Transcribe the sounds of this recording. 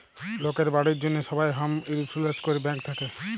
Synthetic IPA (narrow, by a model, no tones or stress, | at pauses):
lokeɾbaɽiɾd͡ʒonːeʃɔbajɦamiɾisuleskɔɾibɛ̃ŋk̚t̪ʰake